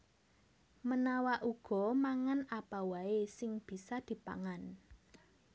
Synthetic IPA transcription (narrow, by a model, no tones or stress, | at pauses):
mənawaʔuɡ̥ɔ̤maŋanapawaesɪŋb̥i̤sad̪̥i̤pa̰ŋan